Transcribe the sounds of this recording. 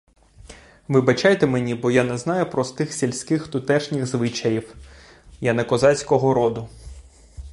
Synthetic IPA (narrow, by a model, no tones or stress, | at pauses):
ʋɪbɐt͡ʃajt̪ɛmenʲibɔjanɛznɑjʊpɾɔst̪ɪxsʲilʲsʲkɪxt̪ʊt̪ɛʃnʲɪxzʋɪt͡ʃɐjiw | janɐkɔzɑsʲkɔɦɔɾɔd̪ʊ